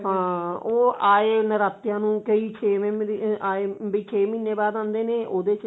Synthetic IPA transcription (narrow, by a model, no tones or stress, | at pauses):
ɦãːoːaːeːnəɾaːt̪ːjãːnũːkəiːt͡ʃʰeːmːaːeːbiːt͡ʃʰeːmiːneːbaːd̪ãːnd̪eːneːʔoːd̪eːt͡ʃ